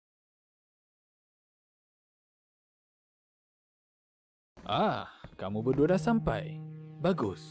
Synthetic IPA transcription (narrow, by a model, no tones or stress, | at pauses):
ʔahkamubədodasampa̰jbaɡʊs